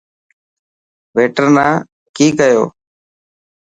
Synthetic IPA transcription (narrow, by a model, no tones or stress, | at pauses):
ʋeːʈəɾnãː | kiːkəjo̰ː